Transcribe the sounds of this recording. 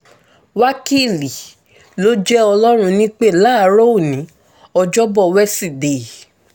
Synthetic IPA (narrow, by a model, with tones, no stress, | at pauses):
wa˦ki˦˨li˨ | lo˦d͡ʒɛ˦ɔ˧lɔ˦ɾ̃ũ˧nĩ˦k͡pe˦˨la˦˨˦ɾo˦˨nĩ˨˦ | ɔ˧d͡ʒɔ˦bɔ˦˨wɛ˦si˦˨de˨